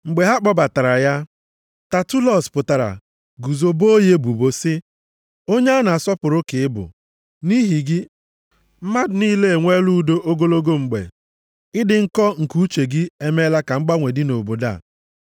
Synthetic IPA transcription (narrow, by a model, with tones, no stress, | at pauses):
ŋ͡m̩˨ɡ͡be˨ɦa˦k͡pɔ˦ba˨ta˨ɾa˨ja˦ | ta˨tu˦lɔ˦˨spʊ˨ta˨ɾa̰˨ | ɡu˨zo˨bo˦o˦je˦bu˨bo˨sɪ˦ | o˦ɲe˦a˦na˨a˨sɔ˦pʊ˨ɾʊ˦kɪ˨ɪ˦bʊ̰˨ | ni˦ɦi˨ɡɪ˦ | m̩˦ma˦dniː˦le˦e˨ŋʷe˦lu˦do˦ʔo˦ɡo˦lo˦ɡo˦ŋ͡m̩˨ɡ͡bḛ˨ | ɪ˦dɪ˨ŋ̩˦kɔ˦ŋ̩˨ku˦t͡ʃe˨ɡɪ˦e˦me˦la˦ka˨ŋ͡m̩˦ɡ͡ba˦ŋʷe˨dɪ˦no˨bo˨da̰˦˨